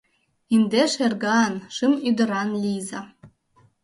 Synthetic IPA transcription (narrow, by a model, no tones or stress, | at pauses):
ind̪eʃerɡɑnʃɨmyd̪ə̆ɾɑnlʲizɑ